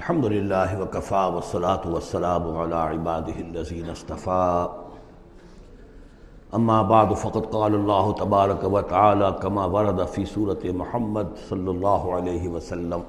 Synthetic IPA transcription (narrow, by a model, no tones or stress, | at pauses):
ʔɐlħɐmd̪ʊlɪlːaːɦɪwɐkɐfaːwɐsːɑlaːt̪ʊwɐsːɐlaːmʊʕalaːʕɪbaːd̪ɪɦɪɐlːɐziːnɐst̪ɐfaː | ʔɐmːaːbaʕd̪ʊfɐqɑd̪qɑːlalˤːɑːɦʊt̪ɐbaːɾˤɐkawɐt̪aʕaːlaːkɐmaːwɑɾˤɑd̪afiːsuːɾɐt̪ɪmʊħamːɐd̪sɐlːɑlˤːɑːɦʊʕaleːɦɪʋɐsɐlːɐm